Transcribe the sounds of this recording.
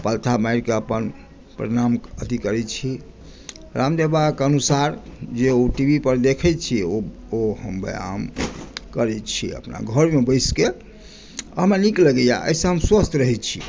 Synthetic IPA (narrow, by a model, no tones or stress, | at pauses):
pəlt̪ʰamajɾkeəpən | pɾɾiɾamət̪ikəɾɛt͡ʃʰi | ɾamd̪ebakənusaɾd͡ʒeoʈibipəɾd̪ekʰɛt͡ʃʰio | oɦəmbḛja̰mkəɾɛt͡ʃʰiə̰pna̰ɡʱəɾmebəjske | əɦmenikləɡəja̰ʔə̰isə̃ɦəmswəst̪ʰɾəɦɛt͡ʃʰi